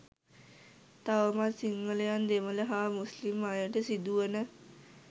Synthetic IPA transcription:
t̪aʋəmat̪siŋɡəlejand̪emələɦamuslimːajaʈesid̪uənə

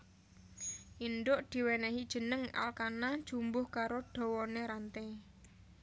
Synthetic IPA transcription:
ʔindʊʔd̪̥i̤wɛnɛɦid̥ʒ̥ə̤nəŋa̰lkanad̥ʒ̥umbʊhkaɾoɖ̥ɔ̤wɔneɾant̪ɛ

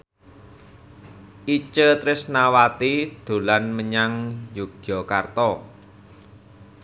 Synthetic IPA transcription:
ʔit͡ʃət̪ɾɪsnawat̪id̪̥o̤lanməɲaŋjuɡ̥jɔkart̪ɔ

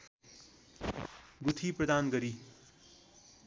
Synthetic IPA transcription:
ɡut̪ʰipɾʌd̪aːnɡʌɾi

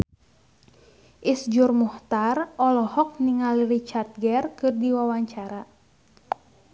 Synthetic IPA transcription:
ʔisd͡ʒurmɔht̪arɔlɔhɔk̚niŋalirit͡ʃart̪̚ɡɛrkɨrdiwawaɲt͡ʃaɾa

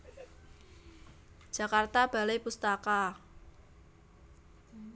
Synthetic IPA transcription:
d͡ʒ̥ä̤kart̪ab̥a̤lejpust̪aka

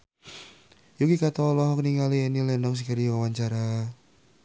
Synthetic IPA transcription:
juɡikat̪ɔlɔɦɔkniŋalienilɛndɔŋs̬ikəɾiwawaɲt͡ʃaɾa

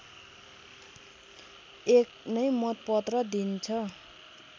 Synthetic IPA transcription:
eknʌjmʌt̪̚pʌt̪rʌd̪int͡sʰʌ

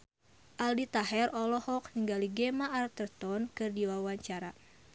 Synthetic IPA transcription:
ʔaldit̪aɦɛrɔlɔhɔk̚niŋɡaliɡemaʔːrt̪ərt̪ɔnkɨrdiwawaɲt͡ʃaɾa

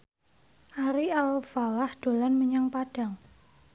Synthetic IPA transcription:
ʔaɾialfalahd̪̥o̤lanməɲaŋpad̥a̤ŋ

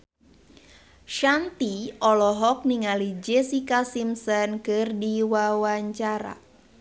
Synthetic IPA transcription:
ʃant̪iɔlɔɦɔk̚niŋalid͡ʒesikasimsənkɨrdiwawaɲt͡ʃaɾa̰

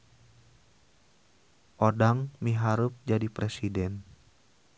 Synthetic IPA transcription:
ʔodaŋmiɦaɾʊp̚d͡ʒadipɾesidɛn

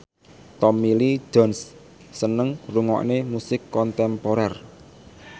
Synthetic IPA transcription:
t̪ɔmili̥d͡ʒɔ̤ns | sənəŋruŋɔ̰ʔnemusɪkːɔnt̪ɛmpoɾɛr

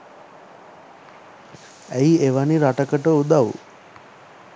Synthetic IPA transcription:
æjieʋaniɾaʈəkəʈəud̪aʋṵ

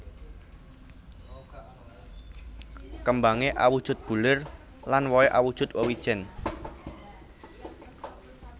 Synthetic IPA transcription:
kəmbaŋeʔa̰wud̥ʒ̥ʊ̤t̪̚b̥ṳlɪr | lanwɔeʔawud̥ʒ̥ʊ̤t̪̚wəwid̥ʒ̥ɛn

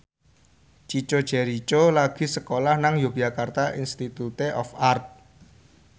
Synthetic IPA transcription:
t͡ʃit͡ʃod̥ʒ̥ɛɾit͡ʃolaɡ̥i̤səkolahnaŋjoɡ̥ijakart̪aʔinst̪it̪ut̪eʔɔfart̪̚

